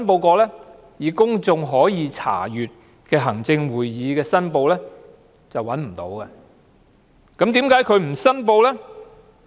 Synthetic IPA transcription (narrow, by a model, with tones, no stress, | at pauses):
npo˧wkɔː˧lɛː˥ | jiː˨˩kʊ˥ŋt͡sʊ˧ŋɦɔː˨˥jiː˨˧t͡sʰa̰ː˨˩jyː˨˩t̚ | kɛː˧ɦɐ˨˩ŋt͡sɪ˧ŋwuː˨jːiː˨˧kɛː˧sɐ˥npo˧wlɛː˥ | t͡sɐ˨wːɐ˨˥nm̩˨˩t̪o̰˨˥wkɐ˧ | kɐ˨˥mt̪iː˨˥mkaː˨˥jkʰɵ˨˧ɥm̩˨˩sɐ˥npo˧wlɛː˥